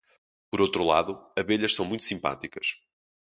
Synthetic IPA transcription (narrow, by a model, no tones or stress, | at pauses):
pɔɾowt̪ɾulˠa̰ðuɐβeʎɐʃsɐ̃w̃mũj̃t̪u̥sĩmpa̰t̪ikɐʃ